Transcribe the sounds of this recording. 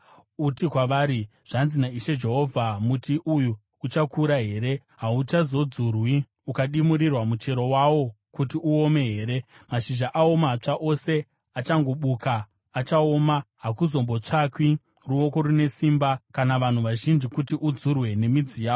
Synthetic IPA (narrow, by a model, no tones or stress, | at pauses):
utikwaʋaːɾi | ʐ̥anzinaiʃe̞d͡ʒe̞ɦo̞vʱamutiʔuju | ut͡ʃakuɾaɦe̞ːɾe̞ | ɦaut͡ʃazo̞d͡zurwi | ukaɗimuɾirwamut͡ʃe̞ɾo̞wawo̞ | kutiʔuome̞ɦe̞ːɾe̞maʃiʒaʔao̞mat͡ʂaʔo̞se̞ | at͡ʃaŋɡoɓuːkaː | t͡ʃao̞maɦakuzo̞mbot͡ʂakwi | ruo̞ko̞ɾune̞simbakanaʋan̤uʋaʒind͡ʒikutiʔud͡zurwe̞ne̞mid͡zijaːo